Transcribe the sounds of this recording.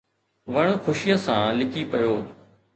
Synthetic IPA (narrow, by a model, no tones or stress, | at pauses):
ʋɐɽ̃xʊʃijəsãːlɪkʰipɐjoː